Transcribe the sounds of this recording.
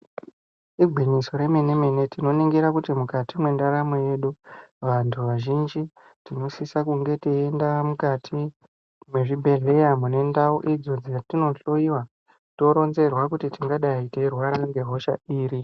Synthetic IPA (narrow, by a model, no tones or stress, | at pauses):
iɡʱwiɲiso̞ɾe̞mene̞mene̞tino̞niŋɡiɾakutimukatimwe̞ndaɾamoje̞ɗuʋantʰuʋaʒind͡ʒi | tino̞sisakuŋɡe̞tiːndamukatʰi | mweʐibʱe̞ɮe̞jamune̞ndauʔid͡zo̞d͡zijatino̞ɬoiwa | to̞ɾo̞nze̞rwakutitiŋɡaɗaite̞rwaɾaŋɡe̞ɦo̞ʃa̰iːɾi